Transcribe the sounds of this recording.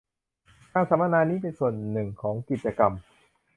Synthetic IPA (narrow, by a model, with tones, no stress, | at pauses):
kaː˧˩ŋsa˨˩˦ma˧naː˧niː˦˥p̬e˧nsu˨˩ənːɯ˨˩ŋkʰɔː˩˦ŋki˨˩t̪̚t͡ɕa˧ka˧m